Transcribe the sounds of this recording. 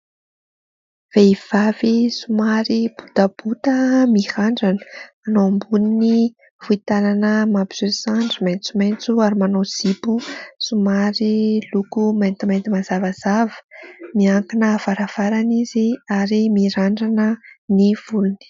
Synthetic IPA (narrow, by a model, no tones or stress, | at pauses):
v̥eiv̥avisumaɾib̥ud̪ab̥ut̪əmihaɳɖ͡ʐanə̥manowambunini | v̥uit̪ananəmapizøsaɳɖ͡ʐiment͡sument͡suaɾimanoz̥ibusumaɾilukument̪iment̪imazavazavə̥miaŋkinəvaɾav̥aɾaniziaɾimiɾaɳɖ͡ʐanəniv̥uluni̥